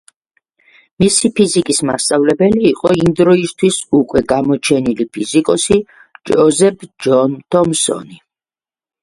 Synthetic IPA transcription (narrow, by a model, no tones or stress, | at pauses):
misipʰizikʼismast̪sʼavlɛbɛliːqʼɔind̪ɾɔist̪ʰwisukʼwɛɡamɔt͡ʃʰɛnilipʰizikʼɔsi | d͡ʒɔzɛpʰd͡ʒɔnt̪ʰɔmsɔ̰ni